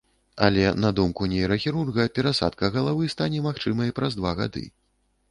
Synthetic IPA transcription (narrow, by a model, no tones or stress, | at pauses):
ɐ̰lʲɛnɐd̪umkunʲɛjɛɾɐxʲiɾurɣɐpʲɛɾasa̰t̪kɐɣɐlˠavɨst̪anʲɛmaxt͡ʂɨmɐipɾɐzd̪vaɣa̰d̪ɨ̰